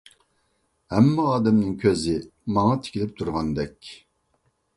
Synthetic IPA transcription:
hɛmːɪɑːd̪ɛmnɨŋkʲʰøzɪmɑŋɑt̪ʰɪ̥kʲʰilɪp̚t̪ʰuɾʁɑnd̪ɛkʲ

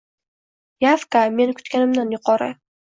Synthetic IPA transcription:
jafkame̞nkʲʰʊ̥t̪kʲanɪmd̪anjʊqɒɾə̰

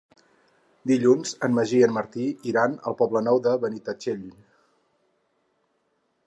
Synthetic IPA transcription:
d̪iʎunzənməʒiənməɾt̪iiɾanə̰lˠpɔblənɔwðəβənit̪ət͡ʃeʎ

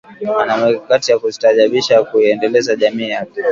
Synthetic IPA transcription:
anamɛkakatijakuzi̥taʄaɓiʃakuiɛndɛlɛzaʄamiːjakɛ

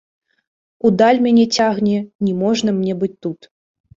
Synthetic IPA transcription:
ud̪alʲmʲanʲɛt͡sʲaɣnʲɛnʲɛmɔʐnɐmnʲɛbɨt͡sʲt̪ut̪

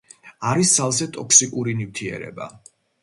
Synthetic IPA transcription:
aɾissalˠzɛt̪ʼɔksikʼuɾinift̪ʰiɛ̰ɾɛ̰ba̰

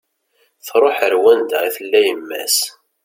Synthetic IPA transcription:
θɾˤoħəɾwænd̪̰iθəlːæjəmːæ̰s

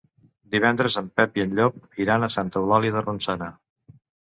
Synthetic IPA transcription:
d̪iβ̞ɛnd̪ɾəzəmpɛpiənʎɔp̚iɾanəsant̪əwlaliðərunsanə

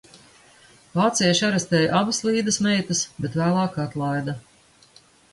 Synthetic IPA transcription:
vaːt̪sijʃaɾɛst̪ɛːjʔabaslˠiːd̪ɨsmɛjt̪ɐsbɛt̪væːlˠɑːkat̪lˠajd̪a

